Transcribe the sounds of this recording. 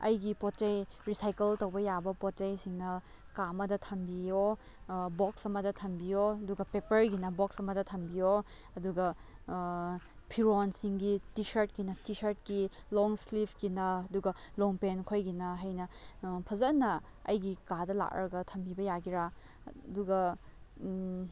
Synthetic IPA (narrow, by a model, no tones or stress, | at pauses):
ɐ̰jɡipot̚t͡ʃɐjɾisajkeltɐwbɐjabɐpot̚t͡ʃɐjsiŋnɐ | kamɐdɐtʰɐmbijo | bɔksɐmɐdɐtʰɐmbijoɐduɡɐpepɐɾɡinɐbɔk̚sɐmɐdɐtʰɐmbijo | ɐduɡɐ | pʰiɾonsiŋɡitisɐɾt̚kinɐtisɐɾt̚kilɔŋslipʰkinɐːduɡɐloŋpenkʰojɡinɐɦɐjnɐpʰɐzɐnːɐ | ɐ̰jɡikadɐla̰k̚ɾɐɡɐtʰɐmbibɐjaɡiɾa | duɡɐ